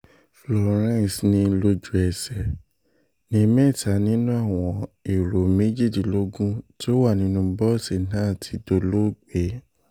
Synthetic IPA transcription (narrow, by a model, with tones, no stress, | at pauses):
flɔ˨ɾ̃ɛ̃˦˨snĩ˧lo˧d͡ʒu˨ɛ˨sɛ˨ | nĩ˧˦mɛ˦˨tʰa˨nĩ˦nũ˦a˦˨w̃ɔ̃˧e˨ɾo˨me˦d͡ʒi˦˨di˨lo˨˦ɡũ˦ti˦o˦wa˦˨nĩ˧˦nũ˧bɔ˦˨si˨nãː˦˨tʰi˧do˧lo˦ɡ͡be˨˦